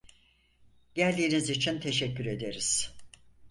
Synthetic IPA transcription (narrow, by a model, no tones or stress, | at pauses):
ɟælʲd̪iːnizit͡ʃʰint̪ʰe̞ʃɛcːyɾe̞d̪e̞ɾiz̥